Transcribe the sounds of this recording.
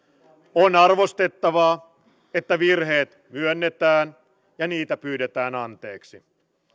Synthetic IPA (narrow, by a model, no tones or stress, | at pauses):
onɑrʋost̪e̞t̪ːɑʋɑː | et̪ːæʋirɦe̞ːt̪myønːet̪æːn | jɑniːt̪æpyːde̞t̪æːnɑnt̪e̞ːksi